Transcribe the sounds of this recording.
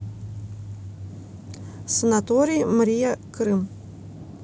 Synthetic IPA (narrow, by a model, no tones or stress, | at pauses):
sənat̪ɔɾʲijmɾʲijɐkɾɨm